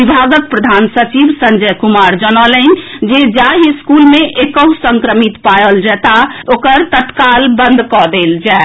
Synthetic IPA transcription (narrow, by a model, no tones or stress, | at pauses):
ibʱaɡək̚pɾəd̪ʱansət͡ʃiʋsəɲd͡ʒəkumaɾd͡ʒənələɲd͡ʒed͡ʒaɦiskulmeʔekəɦũsəŋkɾəmit̪pajəld͡ʒɛt̪aokəɾt̪ət̪kalbə̃nd̪ʱkɔd̪eld͡ʒae